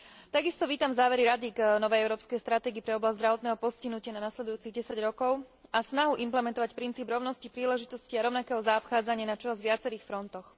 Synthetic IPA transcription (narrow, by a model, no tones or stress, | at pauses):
t̪aɡist̪ɔʋiːt̪amzaːʋɛɾiɾad̪iɡnɔʋɛjɛʊɾɔːpskɛjst̪ɾat̪ɛːɡipɾɛɔblazzd̪ɾaʋɔt̪nɛːɦɔpɔsciɦnucɪananaslɛd̪ujuːt͡siɣɟɛsaɟɾɔkɔʊ | asnaɦuʔimplɛmɛnt̪ɔʋacpɾint͡siːbɾɔʊnɔscipɾiːlɛʒit̪ɔsciaɾɔʊnakɛːɦɔzaɔpxaːd͡zaɲɪanat͡ʃɔɦazʋɪat͡sɛɾiːxfɾɔnt̪ɔx